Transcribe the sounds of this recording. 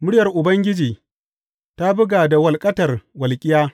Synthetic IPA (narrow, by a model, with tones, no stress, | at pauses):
mʊ˦ɽɪjɐ˨rʔʊ˨bɐ˦ŋɡʲɪ˦d͡ʒiː˨ | ta˦bʊ˦ɡaː˨da˨wɐ˨lkʼɐ˦tɐ˨rwɐ˨lkʲʼɪ˦jaː˦